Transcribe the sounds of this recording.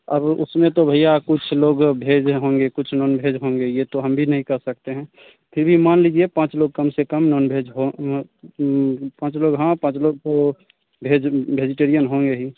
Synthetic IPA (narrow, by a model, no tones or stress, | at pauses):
əbʊ̰smẽt̪obʱəijakʊt͡ʃʰloɡbʱed͡ʒɦõːŋɡekʊt͡ʃʰnɔːnbʱed͡ʒɦõːŋɡejet̪oɦəmbʱinəɦĩkəɦsək̚t̪eɦɛ̃ː | pʰɪɾbʱimaːnlid͡ʒiepãːt͡ʃloɡ̚kəmsekəmnɔnbʱed͡ʒɦo | pãːt͡ʃloːɡɦãpãːt͡ʃloːɡ̚t̪o | bʱed͡ʒbʱed͡ʒiʈeɾijənɦõːŋɡeɦi